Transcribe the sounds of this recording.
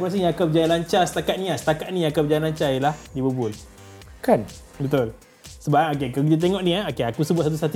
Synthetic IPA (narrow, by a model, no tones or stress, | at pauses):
pɾas̬əjãŋakabəd͡ʒajalaɲt͡ʃasət̪akat̪̚nĩasə̥t̪akat̪̚nĩjãakabəd͡ʒajalaɲt͡ʃajilahdibəbʊl | kan | bət̪ʊl | səbaanok̬ekak̬it̪at̪̬eŋɔ̃ʔnĩaokeakusəbuat̪sat̪̬usat̪u